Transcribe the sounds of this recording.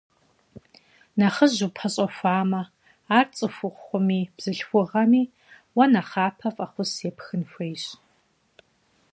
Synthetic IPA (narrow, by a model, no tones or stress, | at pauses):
nɐχəʑupʰɐɕʼɐfʷaːmɐ | aːrt͡sʼɨfʷʊχʷχʷʊmiːb̥z̥ɨɬxʷʊʁɐmiː | wɐnɐχaːpʰɐfʼɐχʷʊseːpxɨnxʷejɕʼ